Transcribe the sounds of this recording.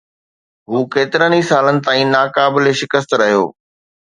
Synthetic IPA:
ɦuːkeːt̪ɪɾənisaːlənɪ̆t̪aːĩnaːkaːbɪleʃɪkəst̪ɾɐɦijo̰ː

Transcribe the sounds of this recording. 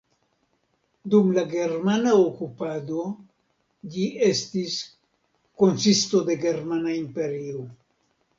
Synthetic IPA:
dumlaɡe̞ɾmanaokupado̞ | d͡ʒie̞stis | ko̞nsisto̞de̞ɡe̞ɾmanaimpe̞ɾio

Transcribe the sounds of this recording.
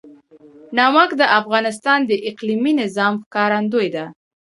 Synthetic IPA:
nɑwakd̪əʔafɣɑnɪs̬t̪ɑnd̪əʔɪqliminɪzɑmxkɑɾand̪ojd̪a

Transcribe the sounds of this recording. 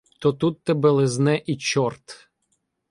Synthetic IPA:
t̪ɔt̪ut̪ːɛbɛlˠɪznɛʔit͡ʃɔrt̪

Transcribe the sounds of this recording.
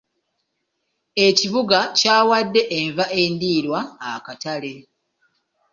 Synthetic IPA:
e̞ciβuɡacaːwadːe̞ʔeɱvaʔe̞ːndiːɾwaːkatale̞

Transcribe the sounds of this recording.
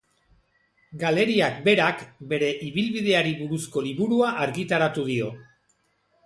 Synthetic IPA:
ɡale̞ɾiakbe̞ɾakbe̞ɾe̞ʔiβilβið̞e̞aɾiβuɾusko̞liβuɾuaʔaɾɣit̪aɾat̪uðio̞

